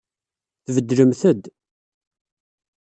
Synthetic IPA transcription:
θvəd̪ːɾəmθəd̪

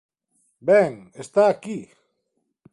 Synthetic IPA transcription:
beŋest̪aki

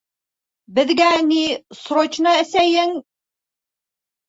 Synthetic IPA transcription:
bɘ̆ðɡænisɾot͡ɕnɤæsæjɘŋ

